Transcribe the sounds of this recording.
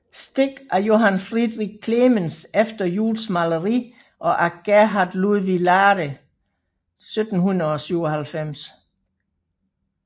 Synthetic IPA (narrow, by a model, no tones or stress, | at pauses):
sd̥e̝ɡ̥æɐjo̝ɦænfʁiðˠʁiɡ̥̚kʰlemənsefd̥ɐjṵːlsmɑləʁi | ʔɒ̽ʔæɡ̥æɦɑd̥luðˠʋilɑːɾə | sød̥n̩hunɐðˠɒ̽syʊɒhælfem̰s